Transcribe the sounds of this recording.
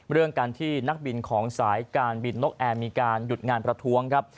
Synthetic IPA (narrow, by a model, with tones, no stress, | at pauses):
ɾɯ˥˩əŋkaː˧nt̪ʰiː˥˩na˦˥k̚bi˧nkʰɔː˩˦ŋsaː˩˦jkaː˧nbi˧nlo˦˥k̚ʔɛː˧miː˧kaː˧nju˨˩t̪̚ŋaː˧npɾa˧t̪ʰu˦˥əŋkʰa˦˥p̚